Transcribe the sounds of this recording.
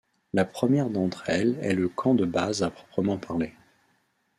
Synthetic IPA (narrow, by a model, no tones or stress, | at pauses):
lapχəmjɛʁd̪ɑ̃t̪χɛlɛ̰ləkʰɑ̃d̪əbazapχɔ̥pχəmɑ̃paʁle